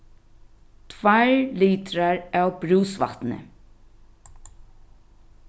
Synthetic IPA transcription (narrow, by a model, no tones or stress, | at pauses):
t̪ʰʋaɹliːt̪ɾaɹæːwbɾuːsʋa̰t̪nə̰